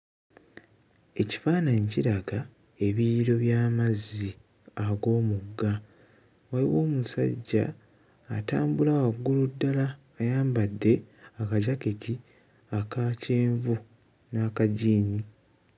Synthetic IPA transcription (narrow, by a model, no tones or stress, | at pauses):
e̞ci̥faːnaɲciɾaɡa | e̞βiɾo̞βjaːmazi | aɡo̞ːmuɡːa | waliwo̞ːmusa̰ɟːa̰ː | taːmbulawaɡːuludːalaː | jaːmbadːe̞akaɟakeci | akaceːɱvu | nakaɟiːni